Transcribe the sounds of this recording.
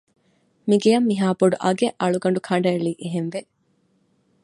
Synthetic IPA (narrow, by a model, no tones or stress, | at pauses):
miɡejɐmːiɦaːboɖuʔɐɡeʔɐɭuɡɐɳ̆ɖukʰɐɳ̆ɖɐeɭiːʔeɦenʋe